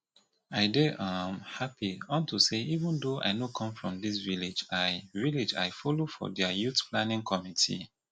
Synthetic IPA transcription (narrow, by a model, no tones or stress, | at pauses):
aɪdeʔãmhapiɔ̃ntuseivə̃ndoʔa̰ɪjnokʰɔ̃ɱfɹɔ̃mdis̬viled͡ʒaɪviled͡ʒa̰ɪfɔlofɔ̰dɛjutpʰlãnĩŋkʰɔmitʰḭ